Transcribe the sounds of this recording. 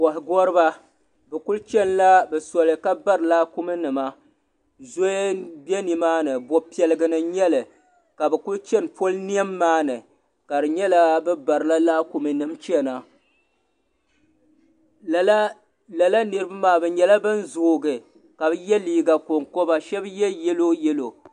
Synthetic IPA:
kɔ˨ɦɪ˨ɡɔ˦ɾɨ˦ba˦ | bɛ˨kʊ˦lt͡ʃɛ˦nla˦bɛ˨sɔ˨lɨ˨ka˦ba˦ɾɨ˨laː˦ku˦mɨ˦nɨ˨ma˦ | zo˦bjɛ˦ni˨maː˦nɨ˨bɔ˦pi˦ɛ˨lɨ˨ɡɨ˨nɨ˨ɲɛ˦lɨ˨ | ka˨bɛ˨kʊ˦lt͡ʃɛ˦npo˦lni˦ɛ˦mːaː˦nɨ˨ | ka˨ɾɨ˨ɲɛ˦la˦bɛ˦ba˨ɾɨ˨la˦laː˦ku˨mɨ˨nɨ˨mt͡ʃɛ˦na˨˦ | la˨la˦nɨ˨˦ɾɨ˦ba˦maː˨˦bɛ˨ɲɛ˨la˦bɨ˦n˦zoː˨ɡɨ˨ | ka˨bɨ˦jɛ˦liː˦ɡa˨ko˨ŋko˦ba˨ʃɛ˦bjɛ˦jɛ˦lo˦jɛ˦lo˨

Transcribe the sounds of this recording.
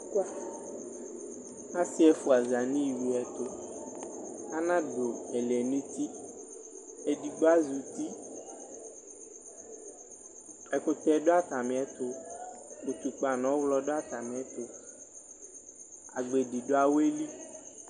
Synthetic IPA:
ka˦ | ã˦si˦ɛ˦fu˨˦a˨za˨nĩ˦˨wi˨ɛ˨t̪ʊ˦ | a˦nã˦do˨ɛ˨lɛ˨ne˦t̪i˦ | e˨di˨ɡ͡ba˦zu˨t̪i˦ | ɛ˨ko˦t̪ɛ˦ɖo˦a˦t̪a˨mẽ˨ɛ˦t̪ʊ˦ | u˨t̪u˨k͡pa˨nɔ̃˨˦wlɔ˦ɖo˦a˦t̪a˨mẽ˨ɛ˦t̪o˦ | a̰˨ɡ͡be˨di˨ɖo˦a˦we˦li˦

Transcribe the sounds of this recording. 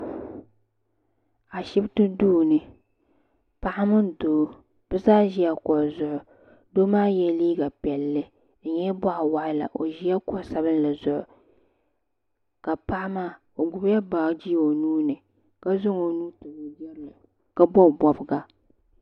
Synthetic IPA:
a˨ʃɪ˦btɨ˦duː˦nɨ˨ | pa˦ʔa˦mɨ˦ndoː˨˦ | b̥ɨ˦zaː˦ʒi˦ja˦kɔ˨zʊ˨ʔʊ˨ | doː˦maː˦jɛ˦liː˦ɡa˨pɛ˨lːɨ˦ | n̩˨ɲɛ˦bɔ˦ʔa˨wa˦˨ʔɪ˦la̰˨ʔo˨ʒi˦ja˦kɔ˨˦sa˦βɨ˦n˦la˨zʊ˨ʔʊ˨ | ka˨pa˦ʔa˦maː˦˨ | o˨ɡʊ˨bja˦ba˨˦d͡ʒi˦˨o˨nuː˦nɨ˨ | ka˦zʊ˦ŋo˨nuː˦tɨ˨bo˨d͡ʒɛ˦ɾla˨ | ka˦bɔ˦˨bɔ˨bɨ˨ɡa˨

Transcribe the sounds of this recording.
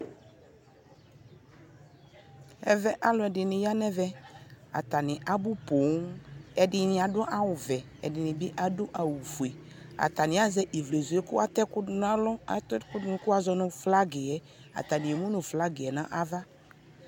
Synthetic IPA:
ɛ˨vɛ˦ʔa˦lɔ˨ɛ˨ɖɪ˨nɪ̃˨ja˦nɛ̃˦vɛ˦a̰˨t̪a˨nɪ̃˨ʔa˨bu˦po˨˦ŋɛ˨dɪ˦nɪ̃˨a˨ɖʊ˦ʔa˦wʊ˨vɛ˨ | ɛ˨dɪ˨nɪ̃˨bɪ˦ʔa˨dʊ˦ʔa˨wu˨fu˨e˨ | a̰˨t̪a˨nɪ̃˨˦a˦zɛ˦ʔe˨vle˨zu˨e˦kʊ̰˦a˨t̪ɛ˦kʊ˦dʊ˦n˦a˦lɔ˦˨tkʊ˦dʊ˦n˦kʊ˦a˨zɔ˨nʊ̃˨fla˦ɡɪ˨ɛ˨ | a̰˨t̪a˨nɪ̃˨e˨mũ˦nʊ̃˨fla˦ɡɪ˨ɛ˨nã˦ʔa˨va˦

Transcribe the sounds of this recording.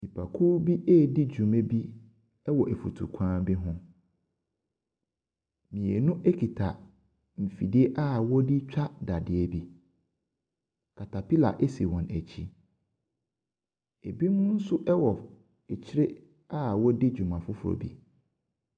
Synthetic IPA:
mĩ˨pʰa˨kʰuː˦bi˦ʔɛː˦˨dɪ˦d͡ʑᶣũ˨mẽ˦bi˦ | ɛ˦wɔ˨ʔe˨fṵ˨tʰṵ˨kʷʰãː˦bi˦ɦʊ̃˦ | mĩ˨e˨nʊ̃˦ʔe˦kʰi˨tʰa˨ | m̩˨fḭ˨di˦e˦ʔa˦wɔ˦di˦t͡ɕᶣa˦da˨dɪ˨e˦bi˦ | kʰa˨tʰa˨pi˦la̰˨ʔɛ˦si˨wɔ̃˨næ˨t͡ɕʰḭ˦ | e˨bi˦nʊ̃˦n̩˦sʊ˦ʔɛ˦wɔ˨ | ɛ˨t͡ɕʰɪ˦ɾɪ˦ | a˦˨wɔ˦dɪ˦d͡ʑᶣu˨mã˨fʊ˦fʊ˨ɾɔ̰˨bḭ˦

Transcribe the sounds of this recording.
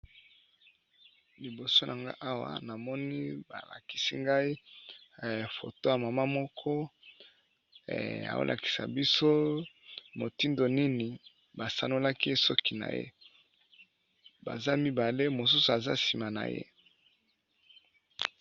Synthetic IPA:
li˨bo˨so˦na˨ŋɡa̰˦ʔa˦wa̰˨na˨mɔ˦ni˦ba̰˨la̰˨ki̥˨si˦ŋɡa˦i˦˨ | fo̰˨to˦ja˨ma˨ma˦mɔ˦kʰɔ˦˨ | a̰˨o̰˦lʔa̰˨ki̥˨sa̰˨bi˦so˦ | mo˨ti˦ndo˨ni˦ni˨ | ba˨sa˦no˦la˦ki˦e˦sɔ˦ki˨na̰˨jḛ˦ | ba̰˨za˦mi˦ba˨le˦mo˨s̬u˦su˨a˨za̰˦si˨ma˨na̰˨jḛ˦

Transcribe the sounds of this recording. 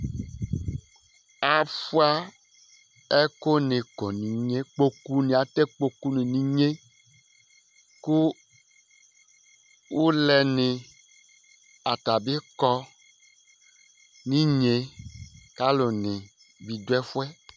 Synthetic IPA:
a˨fu˦a˦ | ɛ˦ko˦ne˨kɔ˨nĩ˨ɲẽ˦k͡po˨ku˦nẽ˨a˨t̪e˦k͡po˨ku˦nẽ˨nĩ˨ɲe˦ | ku˦ | wo˦lɛ˨nẽ˨ | a˨t̪a˨be˦kɔ˦ | nĩ˦ɲe˨ka˦lo˨nẽ˨ | vi˨do˦ɛ˦fu˦ɛ˦

